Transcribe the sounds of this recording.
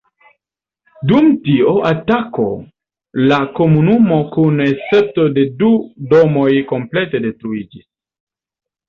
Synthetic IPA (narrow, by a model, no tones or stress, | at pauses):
dumtio̞ʔatako̞̰ | lako̞munumo̞kunese̞to̞de̞dudo̞mo̞jko̞mple̞te̞de̞stɾuid͡ʒis